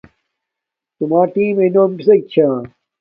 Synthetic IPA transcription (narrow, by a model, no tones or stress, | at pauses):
t̪umaːʈiːmeinoːmpisɐk̚t͡ɕʰaː